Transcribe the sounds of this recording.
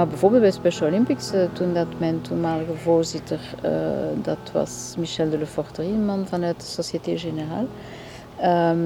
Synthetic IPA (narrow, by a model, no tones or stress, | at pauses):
abɛvoːrbelt̚bɛspɛʃolimpɪksətundɑtmɛjntʰumaːləɣəvoːrzɪtərə̰dɑ̰tʋɑ̰smiʃɛldələfɔrtəriənmɑnvɑnœɥt̚də̥sosjeteʒenəra̰ːl | ə